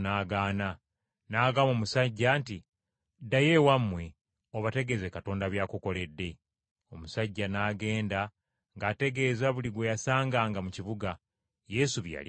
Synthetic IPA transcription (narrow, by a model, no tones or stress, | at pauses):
naːɡaːna | naːɡamo̞ːmusaɟːaːnti | daje̞wamːwe̞ | oβate̞ɡe̞zwe̞kato̞ːndaβjaːkuko̞le̞dːe̞ | o̞musaɟːanaːɡe̞ːnda | ŋɡaːte̞ɡe̞ːzaβuliɡwejasaːŋɡaːŋɡamuciβuɡa | je̞suβja̰li